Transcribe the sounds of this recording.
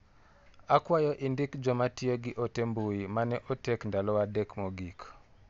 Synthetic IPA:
akwajɔʔɪndɪkd͡ʒɔmatioɡɪʔotembujimanɛʔotekndalɔwadɛkmoɡik

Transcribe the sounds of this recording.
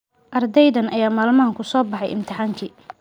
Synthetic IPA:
ʔɐrd̪ɛjðɐnɐjaːmaːlmaːŋkʰʊsɔːbɑħɑjʔɪ̰mt̪ʰɪħaːŋkʰiː

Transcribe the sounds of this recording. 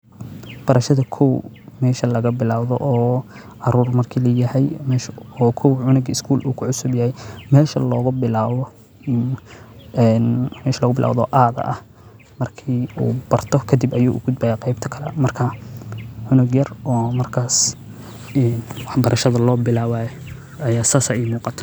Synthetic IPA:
b̥ɐɾɐʃɐðɐkʰɔw | mɛːʃɐlɐɣɐbɪlaːwðɔ̰ʔɔː | ɑɾuːrmɐrkʰiːlɐjɐhɛjmɛːʃɔːkʰɔwʕʊnɪɡɪskʰuːlṵːkʰʊʕʊsʊbjɐhɛjmɛːʃɐlɔːɣʊbɪlaːβɔ | nmɛːʃɐlɔːɣʊbɪlʔa̰ːwðɔ̰ːʔaːðɐ̰ʔɐh | mɐrkʰiṵːbɐrt̪ʰɔkʰɐd̪ibɐjṵːʔʊɡʊd̪̚baːjɐqɛjb̚t̪ʰɐ̥kʰɐlɛ̰mɐrkʰɐ | ʕʊnɪɡjɐrɔːmɐrkʰaːs | ɛnwɑħbɐɾʔɐʃɐðɐlɔːbɪlaːwaːj | ɐjaːsaːsɐʔɪmuːqɑt̪ʰɐ̥

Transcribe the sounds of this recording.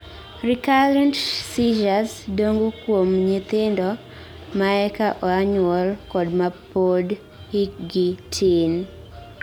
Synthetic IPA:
rikaɾɛntsid͡ʒasdoŋɡokwomɲɪt̪ɪndɔ | maɛkaʔɔaɲʊɔlkɔdmapod | ikɡitʰɪn

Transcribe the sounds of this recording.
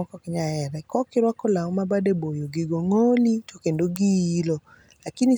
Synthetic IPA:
ɔkɔkɪɲaɛɾɛkɔkɪɾwakɔlaɔmabadebojoɡiɡoŋolitʰokendoɡiilɔ | lakini

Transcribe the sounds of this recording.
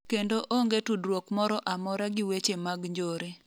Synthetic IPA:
kendoʔoŋɡetudɾwokmɔɾɔʔamɔɾaɡɪwet͡ʃemaɡɲd͡ʒoɾe

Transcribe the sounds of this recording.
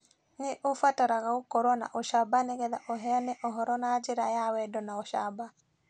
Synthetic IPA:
neʔofwataɾaɣaokɔɾɔna̰ʔoʃabaneɣɛðaʔoɦɛanɛʔɔɦɔɾɔnad͡ʒeɾajawɛdɔnaɔʃa̰ba

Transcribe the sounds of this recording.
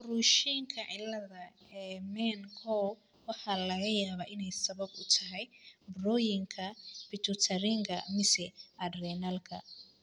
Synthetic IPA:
ruːʃiŋkʰɐʕɪlːɐðɐɛmɛnkʰɔw | wɑħɑːlɐɣɐjaːβaːʔɪnɛjsɐβɐbʊt̪ʰɐɦɛjbrɔːjɪŋkʰɐfɪt̪ʰʊt̪ʰɐɾiŋɡʰɐ̰mɪsɛʔɐd̪rɛnɐlkʰɐ̰

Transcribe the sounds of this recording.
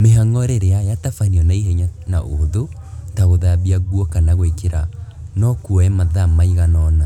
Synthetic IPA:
meɦaŋɔɾeɾeajatafaniɔnaiɦeɲanaʔohoðo | taɣoðaβiaɣwɔkanaɣwekeɾa | nɔkuɔɛmaðamaiɣanɔna

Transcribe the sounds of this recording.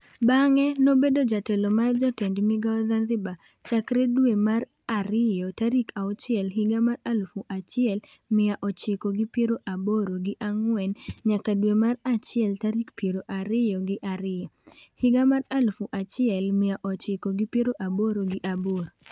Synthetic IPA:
baŋɛnobedod͡ʒatɛlɔmard͡ʒatɛndmɪɡaɔzanzɪba | t͡ʃakɾɛdwemar | aɾɪjɔtaɾikʰaɔt͡ʃɪɛlɦɪɡamaralfuʔat͡ʃɪɛl | mɪaʔɔt͡ʃɪkoɡɪpjeɾoʔaboɾoɡɪʔaŋwɛnɲakadwemarat͡ʃɪɛltaɾikpeɾoʔaɾɪjɔɡɪʔaɾɪjɔhɪɡamaralfuʔat͡ʃɪɛlmɪaʔɔt͡ʃɪkoɡipjeɾoʔaboɾoɡɪʔaboɾ

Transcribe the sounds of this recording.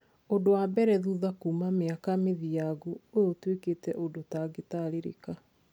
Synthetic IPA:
ondowabɛɾɛðuðakuːmameakameðijaɡuojotweketɛʔodotaɡetaɾeɾḛka

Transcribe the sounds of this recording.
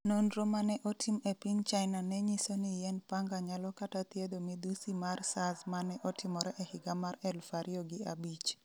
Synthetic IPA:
nonɾomanɛʔotʰimɛpiŋt͡ʃajnanɛɲisonijɛnpaŋɡaɲalɔkatat̪jed̪omid̪usimarsazmanɛʔɔtʰɪmɔɾɛʔehɪɡamarɛlfaɾjɔɡɪabit͡ʃ

